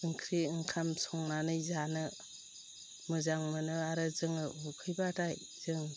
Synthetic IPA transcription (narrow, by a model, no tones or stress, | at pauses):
ɯŋkʰɾiɯŋkʰamsɔŋnanɯjzanɯ | mɯzaŋmɯnɯaɾɯzɯŋɯukʰɯjbataj | z̥ɯŋ